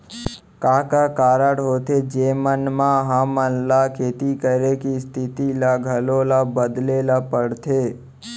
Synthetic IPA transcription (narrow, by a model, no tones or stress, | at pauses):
kaːkakaːɾəɽɦoːt̪ʰed͡ʒemənmãɦəmənlakʰeːt̪ikəɾekist̪ʰɪt̪ilaɡʱəlolabəd̪lelapəɽt̪ʰe